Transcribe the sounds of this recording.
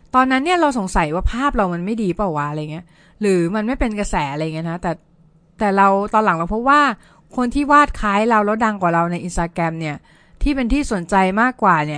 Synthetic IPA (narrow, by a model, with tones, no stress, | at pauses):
t̪ɔː˧nːa˦˥nːi˥ɐɾa˧wso˨˩˦ŋsa˨˩˦jwaː˥˩pʰaː˥˩p̚ɾa˧wma˧nma˥˩jdiː˧pɔ˨˩wa˦˥ʔɾa˧jŋi˦˥ɐ | ɾɯː˩˦ma˧nma˥˩jpe˧nka˧sɛː˩˦ʔa˧ɾa˧˨˩ŋi˦˥nʰa˦˥t̪ɛː˨˩ | t̪ɛː˨˩ɾa˧wt̪ɔː˧nla˨˦ŋɾa˧wpʰɔ˦˥p̚waː˥˩ | kʰo˧nt̪ʰiː˥˩waː˥˩t̪̚kʰaː˦˥jɾa˧wlɛ˦˥wda˧ŋkwaː˨˩ɾa˧wna˧jʔi˧nst̪aː˧kɾɛ˧mni˥˩ɐ | t̪ʰiː˥˩pe˧nt̪ʰiː˥˩so˨˩˦nt͡ɕa˧jmaː˥˩kːwaː˨˩ni˥˩ɐ